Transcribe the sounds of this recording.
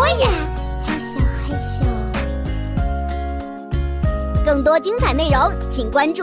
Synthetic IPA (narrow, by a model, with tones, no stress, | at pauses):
ɔ˥jɛ˨˩ja˥˩ɕi˧˩xe˥˩ɪɕi˥˩˨ | kɤ˥˩ŋt̪̬wɔ˥t͡ɕi˥ŋt͡sʰa˨˩ɪne˥˩ɪɻo˧˥ʊt͡ɕʰi˨˩ŋkwa˥nʈ͡ʂu˥˩